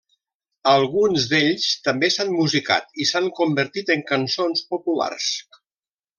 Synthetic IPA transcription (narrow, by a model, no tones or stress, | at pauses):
əlˠɣunzd̪eʎst̪əmbesanmuzika̰t̪isaŋkumbəɾt̪it̪əŋkənsonspopula̰rs